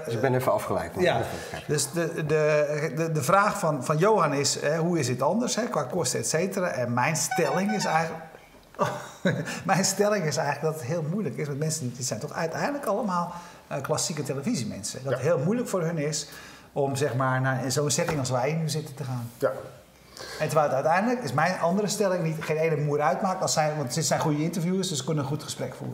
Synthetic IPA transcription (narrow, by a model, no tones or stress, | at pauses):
ɪbɛnefəɑfχəlɛ̰jkja | ɛdøsddəədəfraːxfɔnfɔnjoːanɪshɛɦuɪs̬dɪtɔndərshɛkʋaːkostəɛtseːtəraːʔɛnmɛjnstɛlɪŋɪs | mɛjnstɛlɪŋɪsɛjɣələɡdɔtətɦɪəlˠmujləkɪsʋantmɛnsənɪsɛjntɔxɛœɥtʰɛ̰jndləkɑləmaːlˠ | əklasikəteləfizimɛ̰nsə̰dɔttɦɪːlˠmujləkfoːrɦønɪs | ɔmzɛxmaːɹnaɪnzoːənsɛtɪŋɑlsʋɛjənyzɪtəntəxaːn | ɛntərʋɛɪlˠətœɥtɛjndələkɪsmɛjnɑndərəstɛlɪŋnitxeːneːnəmuəɾœɥtmaːkəɔsɛjʋɑntsɪtsɛjnχujəɪntərfjuəsdøsəkønəənxutxəsprɛkfṵːrə